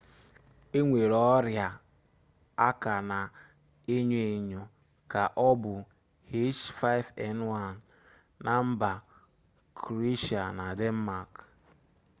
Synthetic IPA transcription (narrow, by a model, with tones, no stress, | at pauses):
e˦ŋʷe˨ɾɔ˦ɾja˨ | a˦ka˨na˨ | e˦ɲ˦e˨ɲo˨ | ka˨ʔɔ˦bʊ˨ | he˦t͡ʃfa˦ɪ˦vɛ˨nwa˦n˨ | na˨m̩˦ba˨ | kʰɾi˦ʃa˨na˨de˦m̩˦ma˨k